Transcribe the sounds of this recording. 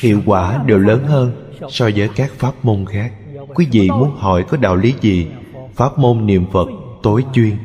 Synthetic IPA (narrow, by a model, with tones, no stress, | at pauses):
hḭ˧˨əwkwaː˧˩ɗe˨˩wləː˨˦nɦəː˧n | sɔ˧zəː˨˦jkaː˦˥k̚faː˦˥p̚mo˧nxaː˦˥k̚kwi˨˦vḭ˧˨mu˨˦ənhɔ˧˩jkɔ˨˦ɗa̰ː˧˨wli˨˦zi˨˩ | faː˦˥p̚mo˧nnḭ˧˨əmfə˨˩t̚t̪o˨˦jt͡ɕwi˧ən